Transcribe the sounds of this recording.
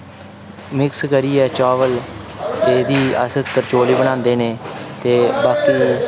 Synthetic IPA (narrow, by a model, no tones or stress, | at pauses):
mɪkskəɾiːɛːt͡ʃaːʋəl | eːd̪iːə̰sət̪əɾt͡ʃoːliːbəɽ̃ãːnd̪eːneːt̪eːbaːkiː